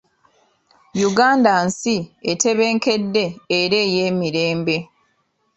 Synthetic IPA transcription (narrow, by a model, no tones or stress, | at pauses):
juɡaːndansiete̞βe̞ːŋke̞dːe̞ːɾe̞jeːmiɾe̞ːmbe̞